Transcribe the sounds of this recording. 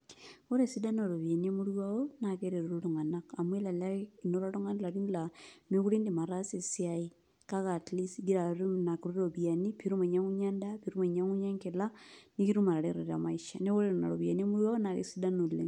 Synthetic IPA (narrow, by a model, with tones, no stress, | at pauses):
o˦ɾe˦si˦da˦no˨ɾo˨βja˨nie˦muɾjuaonake˦ɾe˨ɾo˨ɾoɾuŋa˨naka˨mwe˦la˨lai˨no˦ɾo˦ɾu˦ŋa˦n˦la˨ɾi˦nla˨nwe˦ɣu˦ɾi˦ndi˨ma˨ɾa˦se˨siai˦ | ka˦ɣa˨tli˦sɡi˦ɾa˨ɾu˦na˨ku˨ɾu˦ɾoβia˨nipiɾu˦me˨ɲa˦ɣu˦ɲa˦nda˦piɾu˦me˨ɲa˦ŋu˦ɲa˦ŋke˨lani˦ki˦ɾu˦ma˨ɾa˨ɾeɾoɾa̰maiʃane˦o˦ɾena̰˨ɾo˨βja˨ni˦e˦mu˦ɾwa˦o˦naɣḛ˨si˦da˦no˨lḛ